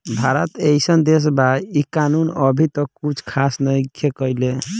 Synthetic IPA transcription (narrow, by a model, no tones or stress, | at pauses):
bʱaɾət̪ejsənd̪es̬baikanunəbʱit̪ɔkut͡ʃʰkʰasnəjkekəjle